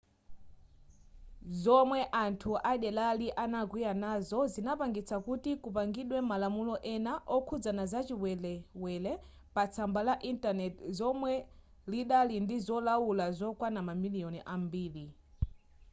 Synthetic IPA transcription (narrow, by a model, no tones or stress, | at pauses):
zɔmwɛʔantʰuʔaɗɛlaliʔanaɡwijanazɔzinapaŋɡit͡sʰakutikupaŋɡiɗwɛmalamulɔʔɛnaʔɔkʰud͡zanazat͡ʃiwɛlɛwɛlɛ | pat͡sʰambalaʔintanɛtzɔmwɛ | liɗalindizɔlawulazɔkwanamamilijɔniʔambiːli